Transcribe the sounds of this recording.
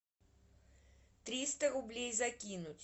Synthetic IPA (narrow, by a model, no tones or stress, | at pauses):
t̪ɾʲist̪əɾʊblʲejzɐkʲinʊtʲ